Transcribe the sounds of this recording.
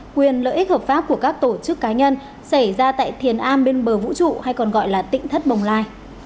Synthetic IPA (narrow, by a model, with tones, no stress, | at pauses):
kwi˨˩ənlə̰ː˧˨ʔi̟˦˥həː˨˩p̚faː˦˥p̚ku˧˩əkaː˦˥k̚t̪o˧˩t͡ɕɨ˦˥kːaː˨˦ɲə˧n | sa˧˩jzaː˧t̪a̰ː˧˨jt̪ʰi˨˩ənʔaː˧mɓe˧nɓəː˨˩vṵ˧˥t͡ɕṵ˧˨ha˧jkɔ˨˩nɣɔ̰˧˨jlaː˨˩t̪ḭ̈˧˨ŋ̟t̪ʰə˦˥t̚ɓə˨˩wŋ͡mlaː˧j